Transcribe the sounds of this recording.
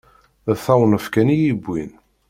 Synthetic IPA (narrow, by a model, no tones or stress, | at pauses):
θæwnəfkænijibʷːin